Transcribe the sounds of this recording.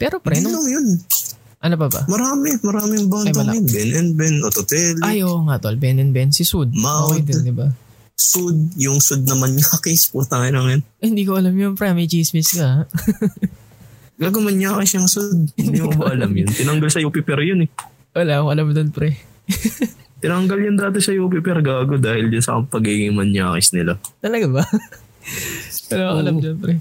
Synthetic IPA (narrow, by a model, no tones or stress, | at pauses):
pɛɾopɾɛnnoŋjon | ʔɐnop̬ɐba̰mɐɾaːmɛmɐɾaːmɪŋbaŋj̪ɐnlonbɛnʔɛnbɛnʔot̪ot̪ɛlʔajʔoʔŋat̪olbɛnɛnbɛnsɪsud̪̚maojd̪d̪ɪba | sud̪̚jʊŋsʊd̪̚nɐmanɲɐɐkesput̪ɐŋɐjlɐŋjonhɪnd̪iːkoʔɐlɐmjonpɾɛmɐjt͡ʃiːsmɪskɐh | ɡaːɡomɐnjaːkɪsjʊŋsod̪̚hɪnd̪imobaʔɐlamjʊnt̪ɪnɐŋɡalsɐjuːpɪpɛɾjonɛ | wɐlaːkoʔɐlamd̪onpɾɛ | t̪ɪnɐŋɡɐljʊnd̪aːt̪ɪsɐjuːp̬ɪpɛɾɡaːɡod̪aːhɪld͡ʒʊnsɐ̰ɐpɐɡiːɡɪŋmɐnja̰ːkɪsnɪlat̪ɐlɐɡabɐ | wɐlaːkoʔɐlamd̪onpɾɛ